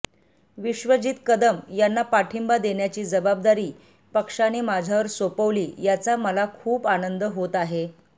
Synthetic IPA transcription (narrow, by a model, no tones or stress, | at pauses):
ʋiɕʋəd͡ʑiːt̪kəd̪əmjanːapaʈʰimbad̪eɳjat͡ɕiːd͡zəbab̚d̪aɾiː | pəkʂanemad͡ʑʱjaʋəɾsopəʋliːjat͡saməlakʰuːpanənd̪əɦot̪aɦe